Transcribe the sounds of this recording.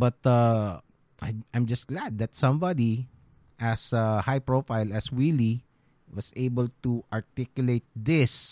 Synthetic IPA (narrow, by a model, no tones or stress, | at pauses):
bʌt̪a | ʔaʔãjmd͡ʒɐst̪̚ɡ̥læd̪̚ːɐt̪sʌ̃mbad̪i | ʔæsahajpɹofaɪlæswili | wʌseɪbəlt̪uʔaɹt̪ikjʊleɪt̪̚d̪ɪs